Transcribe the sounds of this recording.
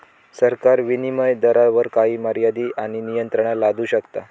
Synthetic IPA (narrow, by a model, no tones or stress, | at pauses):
səɾkaɾʋiniməjd̪əɾaʋəɾkaɦiːməɾjad̪iːʔaɽ̃inijənt̪ɾəɳ̃alad̪ʱuːɕəkt̪a